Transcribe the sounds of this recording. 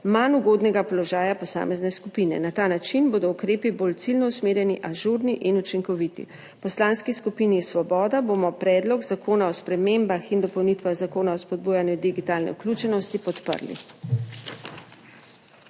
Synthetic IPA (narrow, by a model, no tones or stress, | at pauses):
manuɡoːd̪nɛɡapɔlɔʒaːjapɔsa̰ːmɛznɛskupinɛ̰nat̪aːnat͡ʃinboːd̪ɔukɾeːpiboːlt̪silnɔusmeːɾjɛniʔaʒuɾniʔinut͡ʃiŋkɔʋit̪ḭ | pɔslaːnskiskupinisʋɔbɔːd̪aboːmɔpɾɛːd̪lɔɡzakoːnaɔspɾɛmembaxind̪ɔpɔwnit̪ʋaɣzakoːnaɔspɔd̪̚buːjanjud̪iɡit̪aːlnɛ̰uklʲuːt͡ʃɛnɔst̪ipɔt̪pə̰ɾlḭ